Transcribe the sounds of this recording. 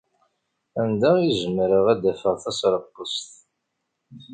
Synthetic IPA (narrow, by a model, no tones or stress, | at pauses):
ænd̪æiʒəmːɾəʁæd̪æfəʁθæsɾˤəqːəst̪